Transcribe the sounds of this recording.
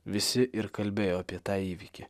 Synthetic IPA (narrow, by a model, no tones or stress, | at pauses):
ʋʲɪsʲɪʔɪɾkɐlʲbʲeːjoːɐpʲiɛt̪ɑːiːʋʲikʲɪ